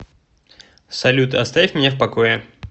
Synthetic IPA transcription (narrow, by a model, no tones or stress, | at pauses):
sɐlʲut̪ɨɐst̪avʲifʲmʲnʲefpɐkojɪ